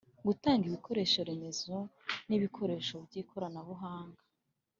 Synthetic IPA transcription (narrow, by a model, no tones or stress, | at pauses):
ɡutaːŋɡiβikʰo̞ɾe̞ːʃoɾe̞me̞zoniβikʰo̞ɾe̞ːʃo̞bɟiːkʰo̞ɾanaβuɦaːŋɡḁ